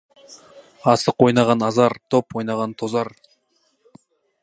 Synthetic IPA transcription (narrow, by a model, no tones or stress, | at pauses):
ɑsəqwo̞jnɑʁɑnɑzɑɾt̪ʰopwo̞jnɑʁɑnt̪ʰozɑɾ